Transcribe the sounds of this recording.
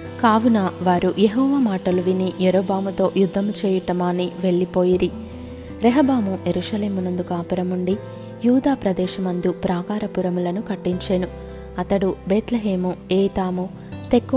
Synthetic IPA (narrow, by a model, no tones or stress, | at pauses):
kaːʋunaʋaːɾujeɦɔːʋaːmaːʈɐluʋiniʔjeɾoːbaːmut̪o̞ːʔjud̪ʱːɐmut͡ʃeːjiʈɐmaːniʋe̞ɭːipo̞ːjiɾi | ɾɛɦɐbaːmujeɾuʃɐle̞ːmunɐnd̪ukaːpɐɾɐmuɳɖi | juːd̪aːpɾɐd̪ɛːʃɐmɐnd̪jupɾaːɡaːɾɐpuɾɐmulɐnukɐʈːiɲt͡ʃeːnu | ɐt̪ɐɽubɛːt̪lɐɦeːmueːt̪aːmu | t̪ekː